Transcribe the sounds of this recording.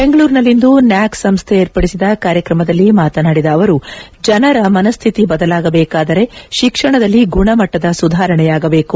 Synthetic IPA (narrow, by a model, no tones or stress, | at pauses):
be̞ŋɡɐɭuːɾnɐlːind̪unjaːksɐmst̪ʰeeːɾpɐɽisid̪ɐkaːɾjɐkɾɐmɐd̪ɐlːimaːt̪ɐnaːɽid̪ɐːʋɐɾu | d͡ʒɐnɐɾɐmɐnɐst̪ʰit̪ibɐd̪ɐlaːɡɐbɛːkaːd̪ɐɾe̞ʃikʂɐɳɐd̪ɐlːiɡuɳɐmɐʈːɐd̪ɐsud̪ʱaːɾɐɳɛjaːɡɐbe̞ːku